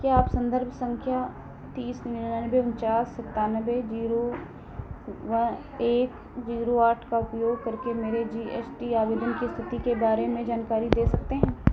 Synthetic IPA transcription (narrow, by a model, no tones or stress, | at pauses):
kjaːpsɐ̃nd̪əɾbʱsɐ̃ŋkʰja | t̪iːsnɪinnanəbeʊnt͡ʃaːsɐt̪aːnəʋed͡ʒiːɾo | ʋɐ | eːk | d͡ʒiːɾoaːʈʰkaʊpjoːɡ̚kɐɾkemeːɾed͡ʒiːḛːsʈiaːʋeːd̪ənkist̪ʰɪt̪ikebaːɾemẽd͡ʒaːnkaːɾid̪eːsɐk̚t̪eɦɛ̃ː